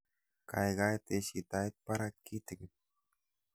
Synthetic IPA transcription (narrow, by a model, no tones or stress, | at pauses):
kʰajɣajt̪eʃit̪ajt̪̚paɾatkit̪ɨɡ